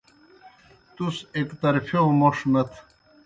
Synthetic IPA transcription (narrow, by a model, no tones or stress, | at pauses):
t̪usekt̪ɐɾfjõmoʂmɐt̪ʰ